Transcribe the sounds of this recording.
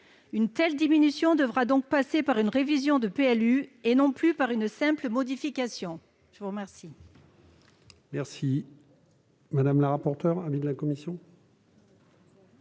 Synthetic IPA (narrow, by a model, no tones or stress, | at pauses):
ynt̪ɛld̪iminysjɔ̃d̪əvʁad̪ɔ̃k̚pasepaʁynʁevizjɔ̃d̪əpeɛlyenɔ̃plypaʁynsɛ̃pləmɔd̪ifikasjɔ̃ | ʒ̥əvuʁəmɛʁsi | mɛʁsi | mad̪amlaʁapɔʁt̪œʁãvid̪lakɔmisjɔ̃